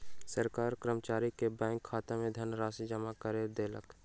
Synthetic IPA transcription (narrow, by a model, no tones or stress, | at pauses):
səɾkaːɾkɾəmt͡ʃaːɾikebɛ̃ːŋkʰːaːt̪emẽd̪ʱənɾaːsid͡ʒəmakəɾeːɾd̪elək